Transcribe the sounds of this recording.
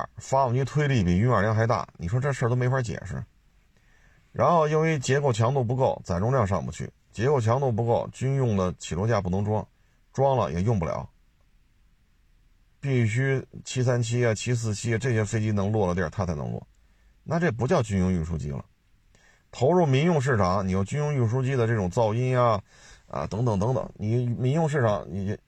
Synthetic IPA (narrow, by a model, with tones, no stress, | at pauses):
fa˥˧˩i˥t̪ʰwe˥ɪli˥˩pi˨˩y˧˥nə˨˩ljɑ˥˧ŋxa˧˥ɪt̪a̰˥˩ni˨˩ʂwɔ˥ʈ͡ʂɤ˥˩ʂə˞˥˩t̪o˥ʊme˧˥ɪfa˧˥t͡ɕjɛ̰˨˩ʂɻ̩̰˥˩ | ɻʔa̰˧˥nxo˥˩ʊi˥nwe˥ɪt͡ɕjɛ˧˥ko˨˩ʊt͡ɕʰjɑ˧˥ŋt̪u˥˧p̬u˧˥ko˥˩ʊt͡sa˨˩ɪʈ͡ʂʊ˥ŋljɑ˥˧ŋʂ̬ɑ̰˥˩ŋpṵ˧˩t͡ɕʰy̰˥˩ | t͡ɕjɛ˧˥ko˨˩ʊt͡ɕʰjɑ˧˥ŋt̪u˥˩p̬u˧˥ko˥˩ʊt͡ɕy˥njʊ˥˩ŋd̪ə˩t͡ɕʰi˨˩lwɔ˧˥t͡ɕja˥˩pu˥˩nʊ˧˥ŋʈ͡ʂwɑ˥ŋ | ʈ͡ʂwɑ˥ŋlə̰˨jɛ̰˨˩jʊ˥˧ŋpu˥˩ljɑ̰˧˥ʊ | pi˥˩ɕ̬y˥t͡ɕʰi˥s̬a˥nt͡ɕʰi˥jɛ˥˩t͡ɕʰi˥s̬ɹ̩˥˩t͡ɕʰi˥jɛ˥˧ʈ͡ʂɤ˥˩ɕjɛ˥fe˥ɪt͡ɕi˥nɤ˧˥ŋlwɔ˥˩lə̰˩˥˩t̪ʰa˥t͡sʰa˥˧˩ɪnɤ̰˧˥ŋlwɔ̰˥˩ | na˥˧ʈ͡ʂɤ˥˩p̬u˧˥t͡ɕjɑ˥˧ʊt͡ɕy˥njʊ˥˧ŋy˥˩ʂṵ˥t͡ɕḭ˥lə̰˨ | t̪ʰo˧˥ʊɻu˥˩mi˧˥ŋjʊ˥˧ŋʂ̬ɻ̩˥˩ʈ͡ʂʰɑ˨˩˦ŋni˨˩jʊt͡ɕy˥njʊ˥˧ŋy˥˩ʂ̬u˥t͡ɕi˥d̪ə˨ʈ͡ʂɤ˥˩ʈ͡ʂʊ˨˩ŋt͡sɑ˥˧ʊi˥˧nja˧ | ə̰˧t̪ɤ˧˥ŋt̪ɤ˨˩ŋt̪ɤ˧˥ŋt̪ɤ̰˨˧˩ŋni˨˩mi˧˥ŋjʊ˥˧ŋʂɻ̩˥˩ʈ͡ʂʰɑ˧˥ŋni˨˩˧